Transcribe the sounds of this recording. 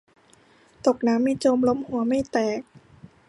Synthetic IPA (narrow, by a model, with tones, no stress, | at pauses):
t̪o˨˩k̚naː˦˥mːiː˧t͡ɕoː˧mlo˦˥mhu˨˩˦ɐma˥˩jt̪ɛː˨˩k̚